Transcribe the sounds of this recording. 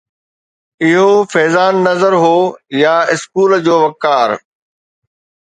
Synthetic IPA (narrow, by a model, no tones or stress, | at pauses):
ɪɦofɛːzaːnːɐzəɾɦoːjaɪskuːld͡ʑoːʋɐkːaːɾ